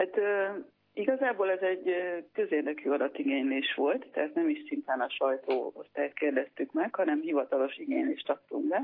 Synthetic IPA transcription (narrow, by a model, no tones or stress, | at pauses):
hat̪øː | iɡɒzaːboːlɛzɛɟːkø̞zeːrd̪ɛkyːɒd̪ɒt̪ːiɡeːɲleːʃʋo̞lt̪ːɛɦaːt̪nɛmiʃsint̪aːnɒʃɒjt̪oːost̪aːt̪keːrd̪ɛst̪ykmɛkhɒnɛmhivɒt̪ɒlo̞ʃiɡeːɲleːʃt̪ɒk̚t̪uŋbɛ